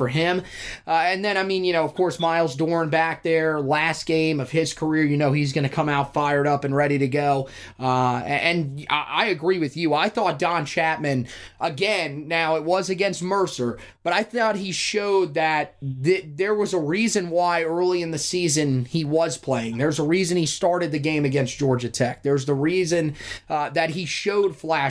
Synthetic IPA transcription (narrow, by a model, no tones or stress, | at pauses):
fə˞ɪ̃mɨ̃nðɨ̃ɾ̃aɪmĩnjɨñoʊʌv̥kʰɔɹsmaɪlˠzdɔɹnbæk̚ðə˞læst̚ɡ̥ẽɪ̃mʌv̥ɪz̥kʰə˞ɪɹjɨnoʊizɡʌñɨkʰʌ̃maʊtfaɪə˞ɾʌpɨ̃nɹɛɾiɾɨɡoʊ | ʌɨ̃nʔa̰ɪɨɡɹiwɨðjʉaɪθɔt̚d̥ɑ̃nt͡ʃʰæt̚mɨ̃n | ʔəɡɛ̃nːaʊɪt̚wʌzɨɡɛ̃nst̚mɜ˞sə˞ | b̥ʌɾaɪθɔt̚hiʃoʊd̪̚ðɨt̪̚ðɪðə˞wʌzəɹizɨ̃nwaɪɜ˞lˠiɨ̃nðɨsizɨ̃niwʌz̥pʰl̥eɪɪ̃ŋðə˞zəɹizɨ̃nistɑɹɾɨd̪̚ðɨɡẽɪ̃mɨɡɛ̃nsd̥ʒ̥ɔɹd͡ʒɨtʰɛk̚ðə˞zðəɹizɨ̃nðɨt̚ɦiʃoʊd̥flæ